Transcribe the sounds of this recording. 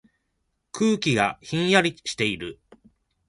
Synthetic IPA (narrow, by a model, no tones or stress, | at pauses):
kʰɯːkʲiɡaçĩɰ̃jaɾʲiɕi̥t̪e̞iɾɯ̟